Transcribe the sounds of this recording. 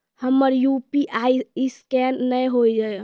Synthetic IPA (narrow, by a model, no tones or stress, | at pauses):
həmːəɾjupiʔaiiskɛnːəjɦoid͡ʒa